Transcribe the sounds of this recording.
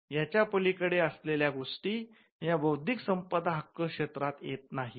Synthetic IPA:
jat͡ɕjapəlikəɽeəsleljaɡoʂʈiː | jabəwd̪ʱiksəmpəd̪ɦakːəkʂet̪ɾat̪jet̪̚naɦi

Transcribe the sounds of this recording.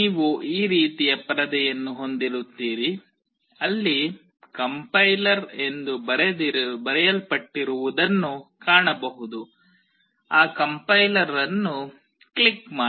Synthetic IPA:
niːʋuʔiːɾiːt̪ijɐpɐɾɐd̪ɛjɐnːuɦo̞nd̪iɾut̪ːiːɾi | ɐlːi | kɐmpɐjlɐɾe̞nd̪ubɐɾɛd̪bɐɾɛjɐlpɐʈːiɾuʋud̪ɐnːukaːɳɐbɐɦud̪u | aːkɐmpɐjlɐɾɐnːu | kɭikmaː

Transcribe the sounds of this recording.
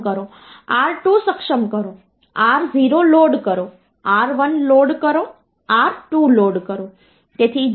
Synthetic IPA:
kəɾo | aɾʈusəkʃəmkəɾo | aɾziɾoloɽkəɾo | aɾʋənloɽkəɾo | aɾʈuloɽkəɾo | t̪et̪ʰi

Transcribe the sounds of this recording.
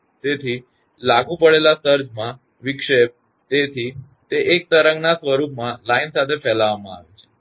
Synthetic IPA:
t̪et̪ʰi | laɡũpəɽelasəɾd͡ʒmã | ʋikʂep̚ | t̪et̪ʰi | t̪eʔek̚t̪əɾəŋɡnasʋəɾupmãlainsat̪ʰefɛlaʋamã̰a̰ʋet͡ʃʰe̥

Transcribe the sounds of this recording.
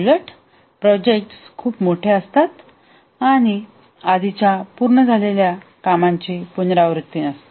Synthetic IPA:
ləʈ | pɾɔd͡ʑek̚ʈskʰuːpmoʈʰeəst̪at̪ | aɽ̃i | ad̪it͡ɕjapuɾɳəd͡zʱaleljakamaɲt͡ɕepunɾaʋɾək̚t̪iːnəst̪e

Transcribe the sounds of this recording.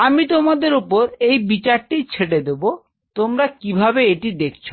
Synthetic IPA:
amit̪omad̪eɾupoɾejbit͡ɕaɾʈit͡ɕʰeʈ̬ed̪ebo | t̪omɾakibʱabeeʈid̪ekʰt͡ɕʰo

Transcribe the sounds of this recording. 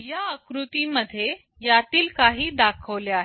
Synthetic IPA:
jaəkɾut̪iməd̪ʱːje | jat̪iːlkaɦiːd̪akʰəʋljaɦe

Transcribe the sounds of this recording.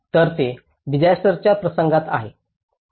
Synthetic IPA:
t̪əɾt̪e | ʋid͡ʑajst̪əɾt͡ɕjapɾəsəŋɡat̪a̰ɦe

